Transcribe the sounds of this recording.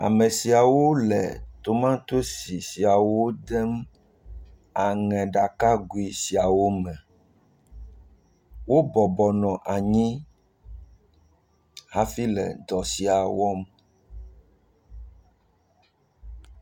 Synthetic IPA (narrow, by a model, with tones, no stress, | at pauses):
a̰˨mɛ̃˨si˨a˨wo˦lɛ̰˨t̪o˨mã˦t̪o˦si˨si˨a˨wo˦d̪ɛ˦m | a˨ŋɛ̃˨ɖa˨ka˦ɡu˨i˨si˨a˨wo˦mɛ̃˨ | wo˦bɔ˨bɔ˨nɔ̃˨ʔa˨ɲĩ˦ | ha˦fi˦lɛ̰˨d̪ɔ˨si˨a˨wɔ˦m